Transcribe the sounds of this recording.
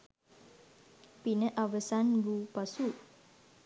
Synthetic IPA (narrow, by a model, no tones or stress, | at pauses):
pinəʔaʋəsanbuːpasu